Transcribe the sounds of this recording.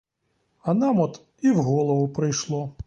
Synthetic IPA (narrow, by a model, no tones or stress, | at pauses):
ɐnamɔt̪ | iwɣɔlˠɔʋʊpɾɪjʃlˠɔ